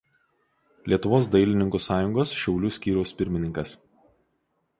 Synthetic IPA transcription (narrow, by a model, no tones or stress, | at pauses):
lʲiɛt̪ʊʋoːs̬d̪ɐɪlʲɪnʲɪŋkuːsɑːjʊŋɡoːsʃʲɛʊlʲusʲkʲiːɾʲɛʊspʲɪɾʲmʲɪnʲɪŋkɐs